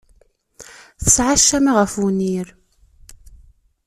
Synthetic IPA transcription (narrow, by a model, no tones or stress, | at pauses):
θə̥sʕaʃːæmaʁəfuniɾ